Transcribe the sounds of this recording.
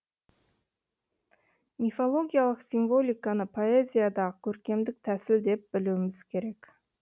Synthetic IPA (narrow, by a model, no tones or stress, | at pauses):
mʲifolˠo̞ɡʲijalˠəqsiɱvo̞lʲijkanəpʰo̞ezʲijad̪ɑʁəkʲʰɵɾkʲe̞md̪ɪk̚t̪ʰæsɪld̪e̞p̚bɪluwɪmɪz̥kʲʰe̞ɾe̞k